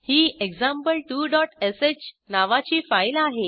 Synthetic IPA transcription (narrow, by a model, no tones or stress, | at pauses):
hiːeɡd͡zãmpəlʈuːɖɔʈeset͡ɕ | naʋat͡ɕiːfajlaɦe